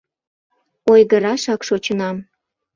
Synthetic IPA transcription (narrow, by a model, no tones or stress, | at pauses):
ojɣəɾɑʃɑkʃot͡ɕənɑm